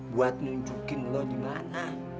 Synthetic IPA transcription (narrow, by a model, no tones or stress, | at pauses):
buat̪̚nuɲd͡ʒukɪnlɔdima̰na